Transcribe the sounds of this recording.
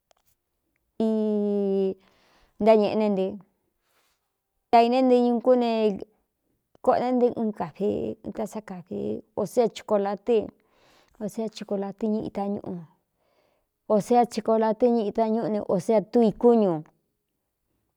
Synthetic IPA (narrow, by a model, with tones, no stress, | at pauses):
i˧ | nd̪a˦ɲẽ˧ʔnẽ˧nd̪e˧ | t̪a˧i˧nẽ˦nd̪e˧ɲũ˧ku˦nẽ˧ | ko˦ʔnẽ˦nd̪i˧ʔĩː˧ka˨βḛ̃˧t̪a˧sa˧ka˨βḛ˧o˧se˦a˧t͡ʃi̥˧ko˧la˧t̪e˦ | o˧se˦a˧t͡ʃi˧ko˧la˧t̪i˦ɲĩ˧ḭ˧t̪a˧ɲṵ̃˧ʔũ˧ | o˧se˦a˧t͡ʃi˧ko˧la˧t̪e˦ɲĩ˦˧ʔĩ˧t̪a˧ɲũ˦˧nḛ̃˧ʔo˧se˦a˧t̪u˦i˧ku˦ɲũ˨